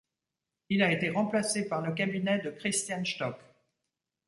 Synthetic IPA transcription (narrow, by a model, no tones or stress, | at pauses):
ilaet̪eʁɑ̃plasepaʁlək̬abinɛd̪əkχist̪janʃt̪ɔk